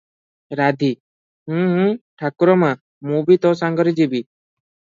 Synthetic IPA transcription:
ɾad̪ʱi | ɦũɦʈʰakuɾɔma | mubit̪ɔsaŋɡɔɾid͡ʒibi

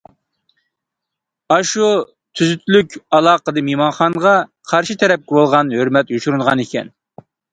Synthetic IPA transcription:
ɑʃu | t̪ʰyzyt̪ʰlykʲɑlˠɑːqəd̪ɨmemɑnχɑŋʁɑqʰɑɾʃit̪ʰɛɾɛp̚kʲɪbolˠʁɑnhøɾmɛt̪juʃuɾunʁɑnekʲʰɛ̰n

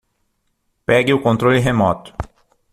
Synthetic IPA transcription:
pɛɡɪʊkõnt̪ɾolɪɦemɔt̪ʊ̥

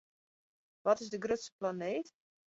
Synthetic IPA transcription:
ʋɔtɪzdəɡrøtsə̥planeːt

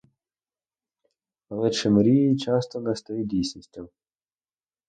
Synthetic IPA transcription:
lˠɪʃɪmɾʲijit͡ʃɑst̪ɔnɛst̪ɔjidʲijsʲnʲisʲtʲɐm

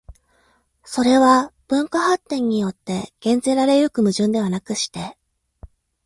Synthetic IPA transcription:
so̞ɾe̞βab̥ɯ̟̃ŋkahat̪ːẽ̞ɲ̟ːijo̞t̪ːe̞ɡ̥ẽ̞nd͡ze̞ːɾaɾe̞jɯ̟kɯ̟mɯ̟ʑɨ̃nd̪e̞βanakɯ̟ɕi̥t̪e̞

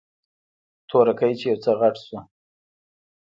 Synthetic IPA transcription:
t̪ʰoɾakajt͡ʃejawt͡səɣaʈsu

